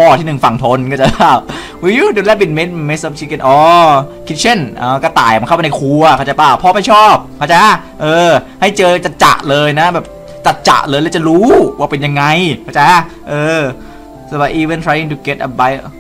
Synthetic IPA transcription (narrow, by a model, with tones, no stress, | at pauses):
pʰɔː˧˩t̪ʰiː˥˩nɯ˨˩ŋfa˨˩ŋt̪ʰo˧nkɔː˥˩t͡ɕa˧˩aː˧˩w | wi˧doː˧lɛː˦˥pi˧n̚me˦˥t̪̚me˦˥sa˦˥p̚t͡ɕʰi˧˥ke˧˩nʔɔː˧˩kʰi˦˥t̪̚t͡ɕʰe˥˩nʔaː˧˩kɔː˧˥˩t̪a̰ː˨˩jnkʰa˥˩wma˧na˧jkʰu˧ɐ˧kʰa˧˩t͡ɕa˧˩paː˧˩wpʰɔː˧˥˩ma˥˩jt͡ɕʰɔː˥˩p̚kʰaː˧˩t͡ɕa˧ | ʔɤː˧ha˥˩jt͡ɕɤː˧t͡ɕa˨˩t͡ɕa̰˨˩ʔlɤː˧jna˦˥bɛː˨˩p̚ | t͡ɕa˨˩t̪̚t͡ɕa̰˨˩ʔlɤː˧jlɛː˦˥wt͡ɕa˨˩ɾuː˦˥waː˥˩pe˧nja˧ŋːa˧jkʰa˧˩t͡ɕa˧ | ʔɤː˧ | so˧˩ba˨˧jʔiː˧we˧˨nt̪ʰɾaː˧˥ji˧ŋt̪ʰu˧ɡe˦˥t̪̚ʔə˧ba˧˦j